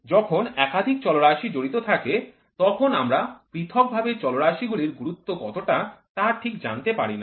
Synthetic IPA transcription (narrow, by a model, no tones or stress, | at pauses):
d͡ʑɔkʰonɛkad̪ʱik̚t͡ɕɔloɾaʃid͡ʑoɾit̪ot̪ʰake | t̪ɔkʰonamɾapɾit̪ʰok̚bʱabet͡ɕɔloɾaʃiɡuliɾɡuɾut̪ːokɔt̪oʈat̪aʈʰikd͡ʑant̪epaɾina